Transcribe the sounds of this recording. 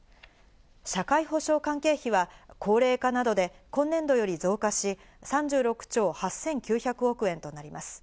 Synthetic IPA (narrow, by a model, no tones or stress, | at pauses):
ɕakaiɦo̞ɕo̞ːkãŋke̞ːçiβakʰo̞ːɾe̞ːkanad̪o̞d̪e̞kõ̞nːẽ̞nd̪o̞jo̞ɾʲizo̞ːkaɕi | sãɲ̟d͡ʑɨːɾo̞kɯ̟̥t͡ɕo̞ːhasːẽ̞ŋkʲɨːçakɯ̟o̞kɯ̟ẽ̞nt̪o̞naɾʲimasɨ̥